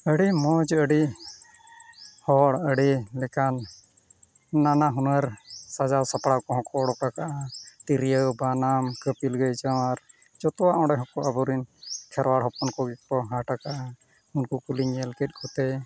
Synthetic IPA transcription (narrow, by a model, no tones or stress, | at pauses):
əɽimɔd͡ʒəɽi | hɔɽəɽilɛkan | anaɦunəɾsad͡ʒawsapɽakɔɦɔ̃kɔɽɔkakaʔat̪iɾijəwbanamkəpilɡəjd͡ʒawaɾ | d͡ʒɔt̪ɔwaʔɔ̃ɖɛɦɔkɔʔabɔɾinkʰɛɾwaɽɦɔpɔnkɔɡik̚pɔɦaʈakaʔa | unkukuliɲəlkɛt̪̚ˀkʰɔt̪ɛ